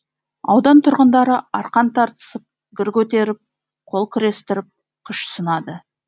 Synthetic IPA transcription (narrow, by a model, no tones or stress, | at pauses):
ɑ̰wd̪ɑnt̪ʰʊɾʁənd̪ɑɾəɑɾqɑnt̪ʰɑɾt̪ə̥səp̚ | ɡʲɪɾkʲʰɵt̪e̞ɾɪp̚ | qʰo̞lˠkʲʰɪɾe̞st̪ɪɾɪp̚ | qʰʊʃsənɑd̪ə